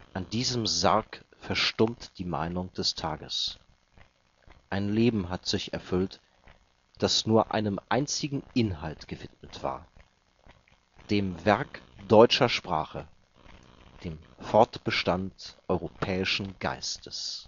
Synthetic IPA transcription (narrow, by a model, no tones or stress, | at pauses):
ʔandiːzəmzaɐkfɛɐʃtʊmtd̥iːma̰ɪnʊŋd̥ɛstʰaːɡəs | ʔaɪnleːbm̩ɦatz̥ɪçɛɐfʏlt | d̥asnuːɐʔa̰ɪnəmʔa̰ɪnt͡sɪɡŋ̩ʔɪnɦaltɡ̥əvɪtmətv̥a̰ːɐ | d̥eːmvɛɐkd̥ɔʏt͡ʃɐʃpʁ̥a̰ːχə | d̥eːmfɔɐtb̥əʃtantʔɔʏʁopʰɛːɪʃn̩ɡ̥a̰ɪstʰəs